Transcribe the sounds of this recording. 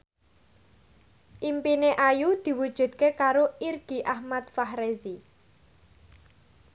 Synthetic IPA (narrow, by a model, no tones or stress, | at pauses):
ʔimpineʔajud̪̥i̤wud̥ʒ̥ṳd̪̚kekaɾoirɡ̥i̤ʔahmat̪fahɾezi